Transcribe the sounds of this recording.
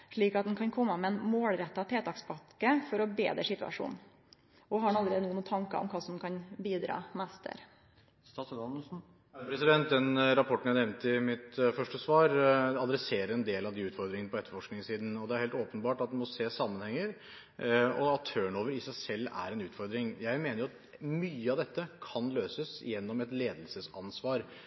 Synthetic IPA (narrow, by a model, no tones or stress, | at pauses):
ʂɭiːkɑt̪̚d̪ɛnkʰɑnkʰɔmːəmɛɛnmoːlɾɛt̪ːɑt̪ʰeːt̪ɑːkspɑkːəfɔɾɔbeːd̪əʂɪt̪ʉɑ̰ʂṵːn | ʔɔhɑɾɛnɑlːəɾeːd̪ənuːnuːt̪ʰɑŋkɑ̰ɔ̰mkʰɑːsɔmkʰɑnbiːd̪ɾɑ̰ːmæst̪ʰə̰ɾ | st̪ɑsɑnn̩ | pʰɾɛsɪd̪ɛnt̪̚d̪ɛnɾɑpʰɔʈːɳ̩jænɛmnt̪ɪmɪt̪fœʂʈəsʋɑːɾɑd̪ɾɛseːɾəɾɛnd̪eːlɑʋd̪iːʉːt̪fɔɾd̪ɾɪŋənəpʰɔɛt̪ːəfɔʂknɪŋsiːd̪n̩ɔd̪ɛæɾheːlt̪oːpənbɑːʈɑt̪̚d̪ɛmɔseːsɑmːənhɛŋːəɾ | ɔɑt̪ʰːøːəɳoːʋəɾɪsæɪsɛlːæ̰ɾɛnʉːt̪fɔɾd̪ɾɪŋjæɪmeːnəɾjʊɑt̪ | myːəɑʋd̪ɛt̪ːəkʰɑnløːsəsɪ̰jɛnːɔmɛt̪leːd̪əlsəsɑnsʋɑːɾ